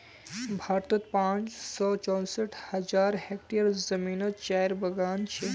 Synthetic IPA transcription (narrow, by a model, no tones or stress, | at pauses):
bʱaːɾt̪ot̪pãt͡ʃsɔt͡ʃɔ̃nsəʈʰhɐd͡ʒaɾɦɛkʈijəɾzəminət͡ʃajɾbəɡaːnt͡ʃʰe